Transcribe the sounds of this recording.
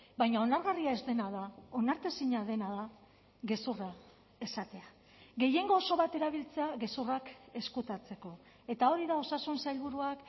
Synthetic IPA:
bajɲao̞naɾɣariae̞zd̪e̞naðao̞naɾt̪esiɲaðe̞naða | ɣe̞sura | e̞sat̪e̞a | ɣe̞je̞ŋɡo̞ːso̞βat̪e̞ɾaβ̞ilt͡se̞aɣe̞surake̞skut̪at͡se̞ko̞ | e̞t̪ao̞ɾiðao̞sasunsajlβ̞uɾuak

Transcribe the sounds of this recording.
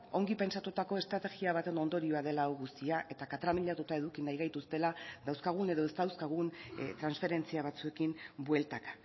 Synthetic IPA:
o̞ŋɡipe̞nsat̪ut̪ako̞e̞st̪ɾat̪e̞ɣiaβ̞at̪e̞no̞nd̪o̞ɾioað̞e̞laoɣust̪iaʔe̞t̪akat̪ɾamiʎat̪ut̪ae̞ðukinajɣajt̪ust̪e̞laðawskaɣ̞une̞ðo̞est̪awskaɣ̞unt̪ɾansfe̞ɾe̞nt͡siaβ̞at͡sue̞kimbwe̞lt̪aka

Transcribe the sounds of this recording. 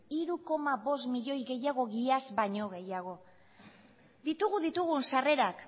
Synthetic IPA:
iɾuko̞maβo̞smiʎo̞jɣe̞jaɣ̞o̞ɣiazbaɲo̞ɣ̞e̞jaɣ̞o̞ | d̪it̪uɣuðit̪uɣ̞unsare̞ɾak

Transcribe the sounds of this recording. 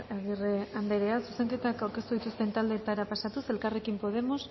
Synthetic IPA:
eɣireand̪eɾe̞asuse̞ŋke̞t̪akawɾke̞st̪uðit̪ust̪e̞nt̪ald̪e̞ːt̪aɾapasat̪use̞lkare̞kimpo̞ð̞e̞mo̞s

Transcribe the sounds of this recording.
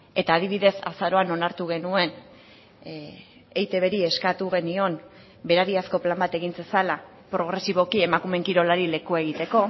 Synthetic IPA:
e̞t̪aːð̞iβ̞iðe̞sa̰saɾo̞ano̞naɾt̪uɣe̞nue̞n | ejt̪e̞β̞e̞ɾieskat̪uɣ̞e̞nio̞n | be̞ɾaɾiasko̞plambat̪e̞ɣint͡sesala | pɾo̞ɣ̞ɾe̞siβ̞o̞kie̞makume̞ŋkiɾo̞laɾile̞kue̞ɣ̞it̪e̞ko̞

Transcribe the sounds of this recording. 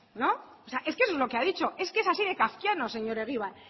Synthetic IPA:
no̞oseaʔe̞skesozlo̞ke̞aðit͡ʃo̞ʔe̞skeesasiðe̞kafkjano̞se̞ɲo̞ɾe̞ɣiβ̞an

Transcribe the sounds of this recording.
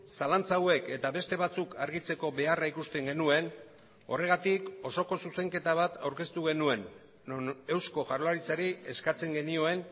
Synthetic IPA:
salant͡sawe̞ke̞t̪aβe̞st̪e̞βat͡sukʰaɾɣit͡se̞ko̞βe̞araikust̪e̞ŋɡe̞nue̞n | o̞̰re̞ɣ̞at̪iko̞so̞ko̞suse̞ŋke̞t̪aβat̪ʰawɾke̞st̪uɣe̞nue̞n | e̞wsko̞ʝaɾolaɾit͡saɾie̞skat͡se̞ŋɡe̞nio̞e̞n

